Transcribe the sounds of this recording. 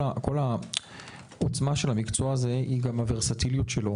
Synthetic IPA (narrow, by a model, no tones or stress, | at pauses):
ako̞la | ot͡smaʃe̞lamikt͡soaːze̞ʔiɡamaveʁsatiljutʃelo̞